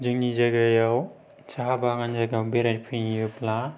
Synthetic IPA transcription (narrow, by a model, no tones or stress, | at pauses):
d͡ʒɯŋnizaɡajaw | t͡ʃaɦabaŋanzaɡawbeɾatpʰiŋijɯpla